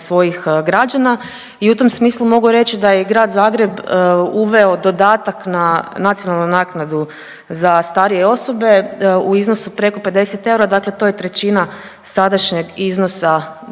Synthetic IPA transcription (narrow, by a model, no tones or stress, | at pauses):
sʋo̞jixɡɾad͡ʒana | iut̪o̞msmiːslˠumo̞ɡuɾe̞t͡ɕid̪ajeɡɾaːd̪zaːɡɾe̞buʋe̞o̞d̪o̞d̪aːt̪aknanat̪sijo̞nalˠnunaːknad̪u | zast̪aːɾije̞o̞so̞be̞uizno̞supɾe̞ko̞pe̞d̪e̞set̪e̞uɾad̪akle̞t̪o̞je̞t̪ɾe̞t͡ɕina | sad̪aʃɲe̞ɡizno̞sa